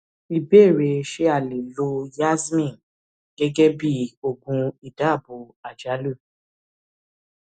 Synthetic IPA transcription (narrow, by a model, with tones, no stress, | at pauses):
i˨be˦˨ɾe˧ʃe˧˦a˦˨le˨lo˧ja˦zmĩ˦˨n | ɡɛ˦ɡɛ˦bi˦o˨ɡũ˧i˨da˨˦˨bo˨a˨d͡ʒa˨˦lu˦˨